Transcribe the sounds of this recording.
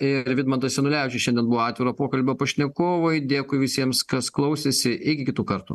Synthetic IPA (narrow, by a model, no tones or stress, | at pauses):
ɪɾʋʲɪd̪mɐnt̪ɐsʲɛnʊlʲɛʊt͡ʃʲɪʃʲɛnʲd̪ʲɛnbʊʋoːɑːt̪ʲʋʲɪɾoːpoːkɐlʲbʲoːpɐʃʲnʲɛkoːʋoɪd̪ʲeːkʊɪʋʲɪsʲiɛmskɐsklˠɐʊsʲesʲɪʔɪkʲɪkʲɪt̪uːkɐɾt̪ṵ